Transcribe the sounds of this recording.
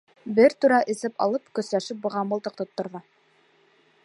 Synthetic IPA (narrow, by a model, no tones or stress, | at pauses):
bɘɾt̪ʉɾæʔɘ̆zɘpɑ̰lˠɤpkɵ̆slæʃɘp̚bɤ̆ʁɑmɤlˠt̪ɤq̚t̪ŏt̪ːŏɾðɑ